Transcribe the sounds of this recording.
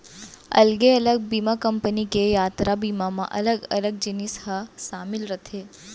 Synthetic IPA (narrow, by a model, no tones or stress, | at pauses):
ɐ̰lɡeɐləɡ̚biːmakəmpənikejaːt̪ɾabiːmamã̰ʔɐləɡɐləɡ̚d͡ʒɪnisɦəʃaːmɪlɾət̪ʰeː